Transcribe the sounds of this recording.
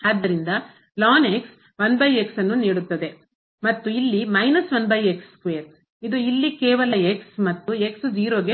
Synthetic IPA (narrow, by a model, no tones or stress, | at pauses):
aːd̪ːɐɾind̪ɐ | laːne̞ks | ʋɐnbɐje̞ksɐnːuniːɽut̪ːɐd̪e̞ | mɐt̪ːuilːimɐjnɐsʋɐnbɐjekskʋeːɾ | id̪uilːikeːʋɐlɐeksmɐt̪ːue̞ksd͡ʒiːɾoːɡe